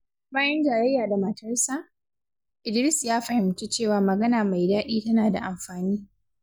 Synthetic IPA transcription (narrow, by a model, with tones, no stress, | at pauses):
baː˦jɛ˦nd͡ʒaː˨ɾɐ˦jːaː˨da˨mɐ˨tʰɐ˦rsaː˦ | ʔɪ˨dɪ˨ɾɪ˦sjaː˦ɸɐ˨hɪ˨mtu˦t͡ʃeː˦˨waː˨mɐ˨ɡɐ˦naː˨ma˨jdaː˦ɗiː˦tɐ˦naː˨da̰˨ʔa˨mɸaː˨niː˦